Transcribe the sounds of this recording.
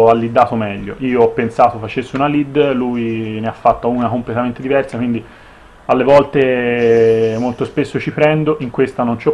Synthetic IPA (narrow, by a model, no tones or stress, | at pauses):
alːid̪ːaːt̪omɛʎːoʔiːoɔpːensaːt̪ofat͡ʃesːeunalid̪lujneafːat̪ːauːnakomplet̪ament̪ed̪ivɛrsakwind̪i | alːevɔlt̪e | molt̪ospesːot͡ʃipɾɛnd̪oʔiŋkwest̪anont͡ʃɔ